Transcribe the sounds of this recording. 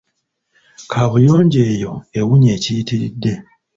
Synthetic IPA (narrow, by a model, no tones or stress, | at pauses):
kʰaβujoːɲɟe̞ːjo̞e̞wuɲe̞ːcijitiɾḭdːe̞